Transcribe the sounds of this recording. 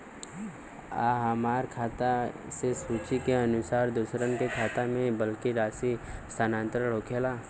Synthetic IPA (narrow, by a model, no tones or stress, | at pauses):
a̰ːɦɐmaːɾkʰaːt̪a | sesuːt͡ʃikeɐnʊsaːɾd̪usɾənkekʰaːt̪amẽbəlkiɾaːsist̪ʰaːnãːnt̪ɾəɽ̤oːkʰelaː